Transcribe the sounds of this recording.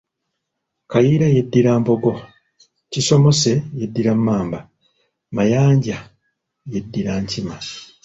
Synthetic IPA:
kajiɾaje̞dːiɾaːmbo̞ɡo̞ | ciso̞mo̞se̞jedːiɾamːaːmba | majaːɲɟa | je̞dːiɾaːɲcima

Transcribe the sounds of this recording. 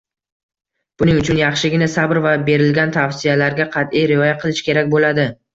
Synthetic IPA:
b̥ʊnɪŋʊt͡ʃʰʊnjɑχʃɪɡʲɪnasabɾvabe̞ɾɪlɡʲant̪ʰawsijalaɾɡʲaqʰɑt̪ijɾɪɒjaqʰɨlˠɪʃkʲʰe̞ɾakʲbolad̪ɪ

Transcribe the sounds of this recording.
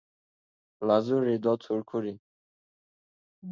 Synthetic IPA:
lazuɾid̪ɔt̪ʰuɾkʰuɾi

